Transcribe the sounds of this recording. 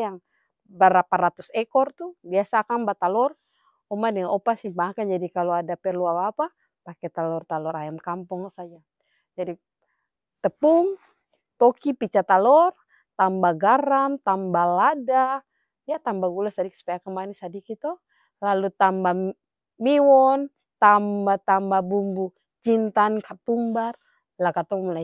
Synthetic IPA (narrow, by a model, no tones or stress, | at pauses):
jaŋ | bəɾapaɾat̪usɛkɔrt̪ubiasaːkambat̪alɔr | ɔmadɛŋanɔpasibakand͡ʒadikalɔadapɛrluawapa | pakɛt̪alɔrt̪alɔɾajamkampɔŋsad͡ʒa | d͡ʒadi | t̪əpuŋ | t̪ɔkipit͡ʃat̪alɔr | t̪ambaɡaɾant̪ambalada | jat̪ambaɡulasadiksu̥pajakəmbanisadikit̪ɔ | lalut̪amba | miwɔn | t̪ambat̪ambabumbu | t͡ʃint̪ankʰat̪umbar | lakat̪ɔŋmɔla